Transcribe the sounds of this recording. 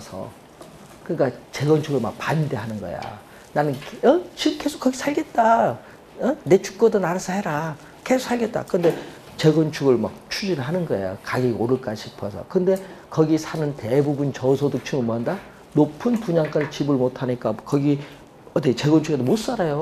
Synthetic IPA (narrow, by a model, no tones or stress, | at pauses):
sʰʌ̰ | kɯɲik͈at͡ɕe̞ɡʌnt͡ɕʰuɡɯɭmak̚pande̞ɦanɯnɡʌ̰ja̰ | nanɯnkʌt͡ɕikʰe̞sʰo̥k͈ːʌɡisʰaɭɡe̞t̚t͈a | ʌne̞t͡ɕu̥k̚k͈ʌdʌnaɾasʰʌheɾa | ke̞sʰo̥k̚sʰaɭɡe̞t̚t͈a̰kɯnde̞ | t͡ɕe̞ɡʌnt͡ɕʰuɡɯɭma̰k̚t͡ɕʰud͡ʑinɯɭɦanɯnɡʌḛjo̰kaɡioɾɯɭk͈aɕʰipʰʌsʰʌ̰kɯnde̞kʌɡisʰanɯntebubunt͡ɕʌsʰodot͡ɕʰumɯmoanda | nopʰɯnpuɲaŋk͈aɭt͡ɕibɯɭmotʰaɲik͈akʌɡi | ʌt͈et͡ɕe̞ɡʌnt͡ɕʰuɡedomos͈aɾajo